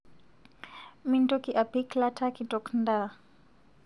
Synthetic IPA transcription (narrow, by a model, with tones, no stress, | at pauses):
mintɔki˨ʔa˨piklatʰa˦ki˨ntɔknda˦